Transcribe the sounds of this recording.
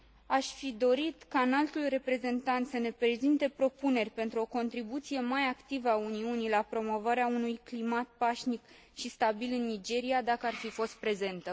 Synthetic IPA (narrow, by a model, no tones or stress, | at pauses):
aʃfid̪o̞ɾit̪kaɨnalt̪ulre̞pɾe̞ze̞nt̪ant̪səne̞pɾezint̪e̞pɾo̞pune̞rʲpe̞nt̪ɾuo̞ko̞nt̪ɾibut̪sije̞majakt̪ivəauniunijlapɾo̞mo̞vaɾeaunujklimat̪̚paʃnik | ʃist̪abilɨnːid͡ʒe̞ɾiad̪akəarfifo̞st̪̚pɾe̞ze̞nt̪ə